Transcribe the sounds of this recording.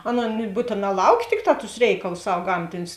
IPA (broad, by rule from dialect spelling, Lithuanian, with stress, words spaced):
ˈɑːˌnoːn ˈbuːtʲeːˌnɑː ˈlˠɐʊˌkʲeː ˈtʲɪkˌtɑː tʊs ˈrʲɛɪkɐlˠʊs ˈsɐw ˈɡɐmʲtʲɪnʲʊs